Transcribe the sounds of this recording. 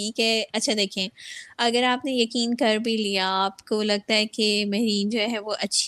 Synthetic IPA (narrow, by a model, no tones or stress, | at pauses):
iːkɦɛɐtːʃʰad̪eːkʰẽːɐɡəɾaːpnejɐkiːnkɐɾbʱiliaaːpkolɐɡ̚t̪aɦɛkemɛɦɾiːnd͡ʒoːɦɛʋoʔɐtːʃʰ